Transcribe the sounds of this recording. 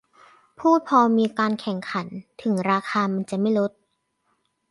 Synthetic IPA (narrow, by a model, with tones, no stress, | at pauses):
pʰuː˥˩t̪̚pʰɔː˧miː˧kaː˧nkʰɛ˨˩˦ŋkʰa˩˦nt̪ʰɯ˨˩˦ŋɾaː˧kʰaː˧ma˧nt͡ɕa˨˩ma˥˩jɾo˦˥t̪̚